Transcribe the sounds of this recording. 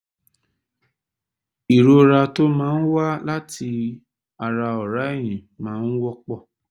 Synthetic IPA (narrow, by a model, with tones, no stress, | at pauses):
i˨ɾo˧ɾa˧to˦mãː˦n̩˦wa˦la˦tʰi˧ | a˨ɾa˧ɔ˨ɾa˨˦e˦˨j̃ĩ˨mãː˨˦n̩˦wɔ˦k͡pɔ˦˨